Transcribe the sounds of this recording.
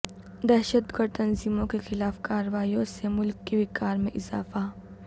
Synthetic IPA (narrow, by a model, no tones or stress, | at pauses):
d̪ɛːʃət̪ɡəɾɖ̚t̪ɐnziːmõkexɪlaːfkaːɾɐwaːiõsemʊlkːebɪkaːɾmẽʔɪza̰ːfa